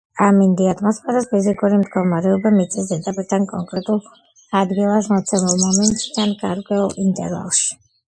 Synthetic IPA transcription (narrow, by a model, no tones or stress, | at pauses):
amind̪iat̪ʼʰmɔspʰɛɾaspʰizikʼuɾimd̪ɡɔmaɾɛɔbamit̪sʼisɛt̪ʼapʼiɾt̪ʰankʼɔŋkʼɾɛt̪ʼulˠ | ad̪ɡilˠasmɔt̪sʰɛmulˠmɔmɛnt̪ʼsd̪ʰanɡaɾkʼwɛulˠint̪ʼɛ̰ɾva̰lˠʃi̥